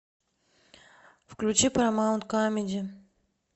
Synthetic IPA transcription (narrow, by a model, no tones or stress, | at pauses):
fklʲʉt͡ɕipəɾɐmaʊnt̪̚kamʲɪd̪ʲɪ